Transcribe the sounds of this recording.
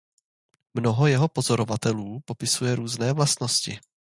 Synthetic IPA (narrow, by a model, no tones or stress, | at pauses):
mno̞ɦo̞jɛɦo̞po̞zo̞ɾovat̪ɛluːpo̞pɪsujɛɾuːznɛːvlast̪no̞scɪ